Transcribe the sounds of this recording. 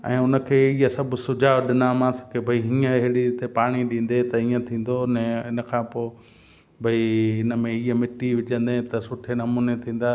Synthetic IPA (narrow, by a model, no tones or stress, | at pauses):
ɛ̰̃ːʊnə̆kʰeːiːəsɐbʱʊsʊd͡ʑʱaːɗɪnamãːsɐ̥kebʱɐiɦĩːə̃ɪɦɽit̪epaːɽ̃iɗĩːn̆d̪et̪ɐĩːə̃t̪ʰĩːn̆d̪onɛ̃ɪnə̆kʰãːpoː | bʱɐiɪnə̆mẽiːəmɪʈiʋɪd͡ʒə̃nd̪ẽt̪ɐsʊʈʰenɐmũːnet̪ʰĩːn̆d̪aː